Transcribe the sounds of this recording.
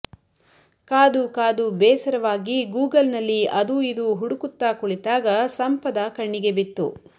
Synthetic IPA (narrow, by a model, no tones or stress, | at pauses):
kaːd̪ukaːd̪ubɛːsɐɾɐʋaːɡiɡuːɡɐlnɐlːiɐd̪uid̪uɦuɽukut̪ːaːkuɭit̪aːɡɐsɐmpɐd̪akɐɳːiɡebit̪ːu